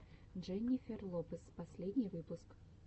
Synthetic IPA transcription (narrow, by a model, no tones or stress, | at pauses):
ʐɛnʲːɪfʲerlˠopɨspɐsʲlʲed̪ʲnʲɪjvɨpʊsk